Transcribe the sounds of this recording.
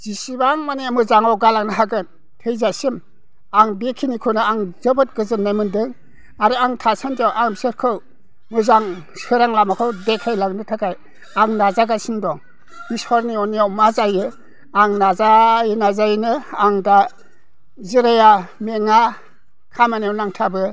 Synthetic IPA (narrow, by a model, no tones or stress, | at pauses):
zisibaŋmaniamɯzaŋawɡalaŋnɯɦaɡɯn | tʰɯjzasim | aŋbekʰinikʰɯnɯaŋzɯbɯt̚ɡɯzɯnajmɯndɯŋ | aɾɯaŋtʰasʰantijawʔaŋbisɯɾkʰɯw | mɯzaŋ | sɯɾaŋlamakʰɯwdekʰajlaŋnɯtʰakaj | aŋnazaɡasindɔŋ | isɔɾniɔniawmazajɯ | aŋnazajinazajnɯaŋda | ziɾajameŋa | kʰamanijawnaŋtʰabɯ